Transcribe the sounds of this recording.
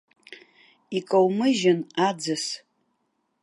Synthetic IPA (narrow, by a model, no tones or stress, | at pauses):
ikʼowmɨʒanad͡zɨs